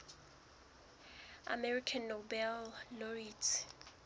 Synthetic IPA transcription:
a̰mɛɹikʰanːobɛlnɔɹitʰ

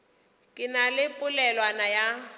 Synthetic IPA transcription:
kʼɪnalɪpʼʊlɛlwanaja

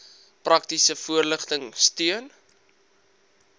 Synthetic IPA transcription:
prʔɐk̚tisəfuərləχtəŋstyən

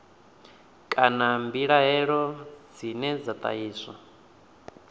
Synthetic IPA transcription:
kʼanambiɺaɦɛɺɔd͡zinɛd͡zat̪ʼa̰iːsa̰

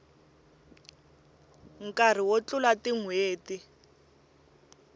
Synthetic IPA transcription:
ŋ̩kar̤iwot͡ɬʊlatiŋweːti

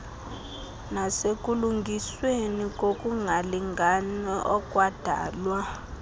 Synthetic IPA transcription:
nasekʼuluŋɡʱiswenikʼokʼuŋʱaliŋɡʱanɛʔɔkʼwad̥ʱa̰ːlwa

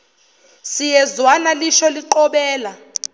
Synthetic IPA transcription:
sijɛzwanaliʃɔliǃɔɓɛːla

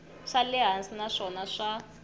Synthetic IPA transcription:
ʂalɛɦansinaʂɔnaʂa

